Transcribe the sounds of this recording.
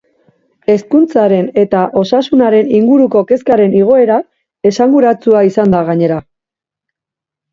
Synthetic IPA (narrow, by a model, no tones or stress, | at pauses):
e̞skunt͡saɾe̞ne̞t̪aʔo̞sasunaɾe̞niŋɡuɾuko̞ke̞skaɾe̞niɣ̞o̞e̞ɾa | e̞saŋɡuɾat͡suaisand̪aɣ̞aɲe̞ɾa